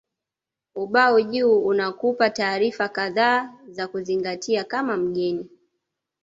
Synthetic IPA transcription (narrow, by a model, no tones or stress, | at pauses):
uɓauʄuːnakupataːɾifakaðaːzakuziŋɡatʰiakamam̩ɠɛni